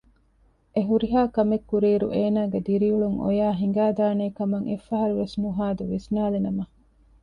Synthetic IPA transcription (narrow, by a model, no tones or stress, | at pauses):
ʔeɦuɾiɦaːkɐmekːuɾiːɾṵʔeːnaːɡed̪iɾiuɭuŋʔo̰jaːɦiŋ̆ɡaːd̪aːneːkɐmɐŋʔefɐɦɐɾuʋesnuɦaːd̪uʋisnaːlenɐmɐ